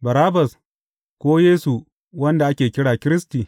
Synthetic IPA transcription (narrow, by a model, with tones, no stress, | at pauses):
bɐ˨ɾaː˦bɐ˨s | kʷoː˦jeː˦su˨ | wɐ˦nda˨ʔa˦kʲeː˨kʲɪ˦ɽaː˨kʲɪ˦ɾɪ˦stiː˨